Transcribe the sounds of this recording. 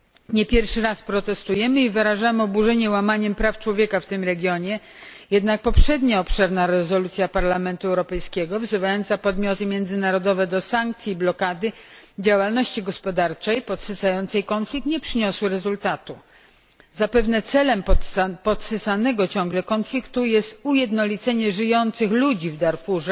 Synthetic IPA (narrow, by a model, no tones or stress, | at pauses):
ɲɛpʲjɛɾfʂɘɾaspɾɔt̪ɛst̪ujɛmɘivɘɾaʐamɘɔbuʐɛɲɛwamaɲɛmpɾaft͡ʂwɔvʲjɛkaft̪ɘmɾɛɡʲjɔɲɛ | jɛd̪nak̚pɔpʂɛd̪ɲaɔpʂɛɾnaɾɛzɔlut̪sʲjapaɾlamɛnt̪uɛwɾɔpɛjskʲɛɡɔvzɘvajɔnt̪sapɔd̪mʲjɔt̪ɘmʲjɛnd̪zɘnaɾɔd̪ɔvɛd̪ɔsaŋk̚t̪sʲiblɔkad̪ɘd͡ʑawalnɔɕt͡ɕiɡɔspɔd̪aɾt͡ʂɛjpɔt̪sɨsajɔnt̪sɛjkɔnflʲikt̪ɲɛpʂɘɲɔswɾɛzult̪at̪u | zapɛvnɛt̪sɛlɛmpɔt̪sɨsanɛɡɔt͡ɕɔ̃ŋɡlɛkɔnflʲikt̪ujɛst̪ujɛd̪nɔlʲit̪sɛɲɛʐɘjɔnt̪sɘxlud͡ʑivd̪aɾfuʐɛ